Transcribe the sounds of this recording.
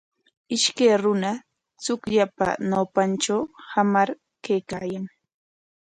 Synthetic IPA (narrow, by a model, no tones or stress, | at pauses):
ɪʃkejɾʊna | t͡sʊkʎapa̰nawpanʈ͡ʂawhamaɾ | kejkaːjaŋ